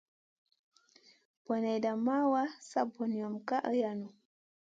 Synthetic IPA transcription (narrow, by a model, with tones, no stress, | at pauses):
b̥ɔ˨na˨jda˨mːa˦wa˦sa˦bɔ˨ni˨ɔ˨mka˦ʔə˦janu˨